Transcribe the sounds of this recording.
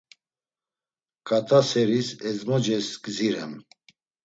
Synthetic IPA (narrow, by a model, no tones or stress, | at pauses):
kʼat̪ʰʼasɛɾisɛzmɔd͡ʒɛskʼziɾɛ̰m